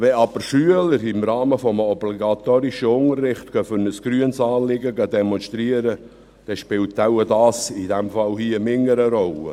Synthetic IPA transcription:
ʋɛɑb̥əɾʃyələɾɪmɾɑːməfɔməɔbliɡɑt̪oːɾiʃəʊŋərːɪχtkœfənəsɡ̥ɾyənsɑːnlɪɡəɡɑd̪ɛmɔnʃtɾiəɾə | d̥ɛʃpɪlt̪aʊwədɑːsidɛmfɑlhiəmɪŋːəɾəɾɔlə̰

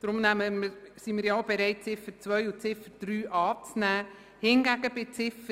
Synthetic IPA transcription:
d̥̪ɾʊmnæməmsimɪːɾjaobɛɾɛɪt̚t͡sɪfəɾt͡sʋœjut͡sɪfəɾd̥̪ɾyːʔɑːt͡snæː | hɪnɡæɡəbɪt͡sɪfə

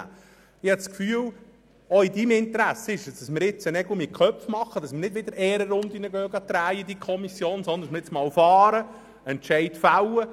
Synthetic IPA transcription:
ɪhɑskfyːw | ɔid̪imɪnt̪əɾæsːəɪʃəsd̪̥ɑsmɪɾɪt͡sənɛɡʊmɪkχœpfmɑχːəd̥ɑsmɪnɪd̥ʋɪd̪əɾɛːɾəɾʊnd̪inəɡœːɡɑt̪ɾæːjid̪ikʰɔmisjoːnsɔnd̪əndsmɾɪt͡smɑːwfɑːɾə | ɛntʃɛɪt̪fæwə

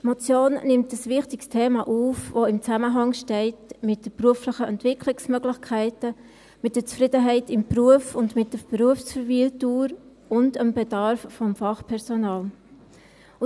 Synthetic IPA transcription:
mot͡sjoːnnɪmtəsvɪχtɪkstʰeːmɑʔuːfvoɪmt͡sæməɦɑŋʃtɛɪtmɪt̚d̥əpɾuəfləχəʔɛntvɪkʰlɪksmœɡlɪçkʰæɪtə | mɪt̚d̥ət͡sfɾɪdəɦɛɪtɪmpruəfʊndmɪt̚d̥əbɾuəfsfəɾviltuːɾ | ʊndəmbɛdɑɾfːɔmfɑχpʰɛɾsonɑːl

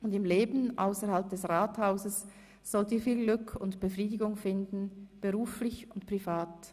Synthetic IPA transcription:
ʊndɪmleːbn̩ʔa̰ʊsəɾhalp̚d̥ɛsʁaːthaʊzəs | z̥ɔltiːɐfiːlɡlʏkʰʊntb̥əfʁiːdɪɡʊŋfɪndn̩b̥əʁuːflɪçʊntpʁ̥ivaːt

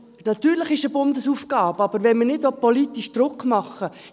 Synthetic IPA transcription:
nɑt̪yːɾləχɪʃəbʊnd̪əsufɡ̥ɑːbəɑb̥əɾʋɛnmənɪdsopɔlit̪ːiʃd̥̪ɾʊkmɑχə

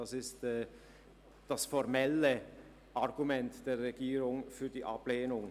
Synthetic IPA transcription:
ɑsɪstː | d̥ɑsfɔɾmɛlə | ʔɑʁɡumɛntd̥eːɐːeɡiːɾʊŋfyːɐdiːʔɑ̰pleːnʊŋ

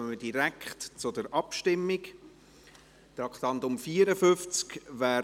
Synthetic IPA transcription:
əmədiɾækχtt͡sʊdəɾʔɑpʃtɪmːɪk | d̥̪ɑkχt̪ɑnt̪ʊmfiːəɾəfʏft͡skvaæː

